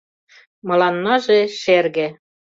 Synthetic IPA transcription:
mɤ̆lɑnmɑʒeʃerɣĕ

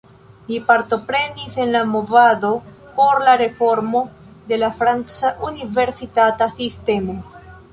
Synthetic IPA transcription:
lipaɾto̞pɾe̞nise̞nlamo̞vado̞ | po̞ɾlaɾe̞fo̞ɾmo̞ | de̞lafɾant͡saʔunive̞ɾsitatasiste̞mo̞

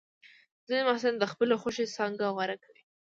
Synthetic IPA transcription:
zənemahsaland̪əxpəlexoʃesɑŋɡawaɾakawi

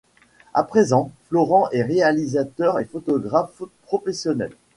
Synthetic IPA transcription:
a̰pχezɑ̃flɔʁɑ̃ʔɛʁealizat̪œʁefot̪ɔɡʁafpχɔfɛsjɔnɛ̰l

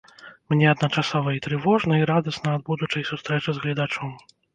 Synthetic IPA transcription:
mnʲɛɐd̪nɐt͡ʂasɔvɐit̪ɾɨvɔʐnɐiɾad̪ɐsnɐːd̪̚bud̪ut͡ʂɐjsust̪ɾɛt͡ʂɨzɣlʲid̪at͡ʂɔm

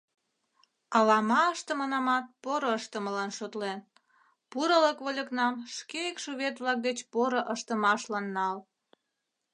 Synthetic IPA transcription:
ɑlɑmɑəʃt̪əmənɑmɑt̪̚poɾoəʃt̪əməlɑnʃot̪len | puɾələkβolʲəknɑmʃkeəkʃoβʲet̪βlɑk̚d̪et͡ɕpoɾoʔəʃt̪əmɑʃlɑnːɑl

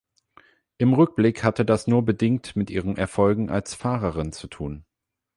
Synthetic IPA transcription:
ʔɪmʁʏk̚b̥lɪkhatədasnuːɐbədɪŋk̚tmɪtʔiːʁ̞ənʔɛɐfɔlɡŋ̩ʔa̰lsfaːʁɐʁɪnt͡sutʰuːn

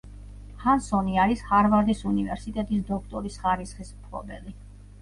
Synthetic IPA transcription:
hansɔniaɾishaɾvaɾd̪isunivɛ̰ɾsit̪ʼɛt̪ʼisd̪ɔkʰt̪ʼɔɾisχaɾisχismpʰlˠɔ̰bɛ̰li

